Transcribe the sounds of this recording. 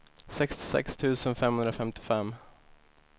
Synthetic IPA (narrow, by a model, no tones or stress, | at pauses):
sɛkst̪ɪ̥sɛ̰kst̪ʰʉ̟ːsənfɛmhɵnd̪ɾafɛmt̪ɪ̥fɛmː